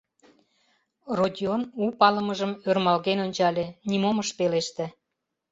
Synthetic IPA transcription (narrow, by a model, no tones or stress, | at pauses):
rodʲionupɑləməʒəmørmɑlɣenonʲt͡ɕɑlʲenimoməʃpeleʃt̪ĕ